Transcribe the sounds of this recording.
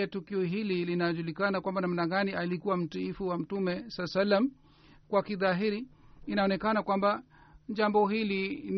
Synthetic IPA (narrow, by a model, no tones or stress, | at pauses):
ɛtukiɔɦililinaʄulikanakwambanamnaɠaniʔalikuwam̩tiifuwam̩tumɛsasalːam | kwakiðaɦiɾiːnaɔnɛkanakwamba | ʄambɔɦilin